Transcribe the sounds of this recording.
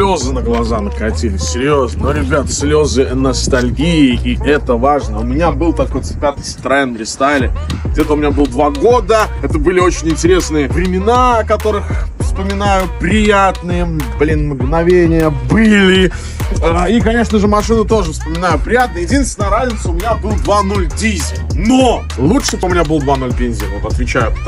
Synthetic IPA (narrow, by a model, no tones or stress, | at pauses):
slʲo̞zɨnəɡlˠɐzanəkɐtʲelʲɪsʲsʲɪɾʲjo̞znənoɾʲɪbʲat̪ə̥sʲlʲo̞zɨɐnəst̪ɐlʲɡʲiɪiʔɛt̪əvaʐnəʊmʲɪnʲabɨlˠt̪ɐko̞jt̪sɨ̥pʲat̪ɨst̪ɾɛnɾʲɪst̪alʲɪɡdʲet̪əʊmʲɪnʲabɨlˠəd̪vaɡo̞d̪əɛt̪əbɨlʲɪot͡ɕɪnʲɪnʲtʲɪɾʲe̞snɨjəvɾʲɪmʲɪnakɐt̪o̞ɾɨxfspəmʲɪnajʊpɾʲɪjat̪nɨjəblʲinmɡnɐvʲenʲɪjəbɨlʲɪ | əikɐnʲe̞ʂnəʐɨmɐʂɨnʊt̪o̞ʐɨfspəmʲɪnajʊpɾʲɪjat̪nəjəjɪdʲinst̪vʲɪnəjəɾazʲnʲɪt̪sʊʊmʲɪnʲabɨlˠd̪vanolʲdʲizʲɪtʲno | lˠuʂɨt̪ʊmʲɪnʲabɨlˠd̪vano̞lʲpʲenʲzʲɪəvot̪ɐt̪vʲɪt͡ɕæjʊ